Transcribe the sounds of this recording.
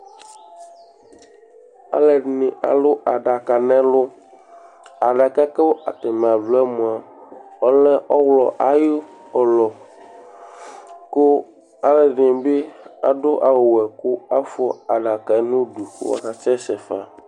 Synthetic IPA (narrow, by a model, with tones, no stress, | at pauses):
a̰˦lɛ˨nĩ˨a̰˨lo˦a˨ɖa˨ka˨nɛ̃˦lʊ˦ | a˨ɖa˨ka˦kɛ˦wo˦ʔa̰˨t̪ɛ˨mẽ˨a˨vlɔ˦ɛ˦mũ˨a˨ | ɔ˦lɛ˦ʔɔ˦wlɔ˨ʔa˨jo˦ɔ˨lɔ˨ | ko˦ | a˦lɛ˨ɖi˨be˦a̰˨ɖo˦ʔa˨wo˨wɛ˨ko˦a˦fɔ˦a˨ɖa˨ka˨˦nũ˦du˨ko̰˦wa̰˦ka˨t͡ʃɛ˦sɛ˨fa̰˨